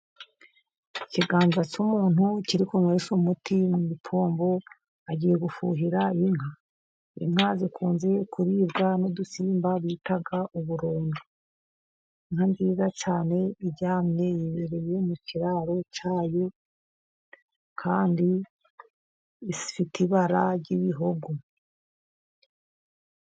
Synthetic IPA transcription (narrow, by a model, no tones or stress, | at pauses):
iciɡaːnzat͡ʃumuːnuciɾikumŋweːsumutʰimwimipʰo̞ːmbo̞ | aɟiːje̞ɡufṵɦiɾaiŋ̥ha | ḭŋhazikʰuːnze̞kuɾiːbɡanodusiːmbaβiːtaɡaʔuβuɾuːndu | iŋhandiːzat͡ʃaːne̞iɟaːmɲe̞jiβeɾejemucʰiɾaːɾo̞t͡ʃaːjo̞ | kʰaːndi | si̥fitʰiβaɾaɾɟiβiɦoɡo